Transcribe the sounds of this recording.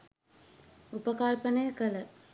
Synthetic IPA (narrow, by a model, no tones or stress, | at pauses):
upəkalpənəjəkələ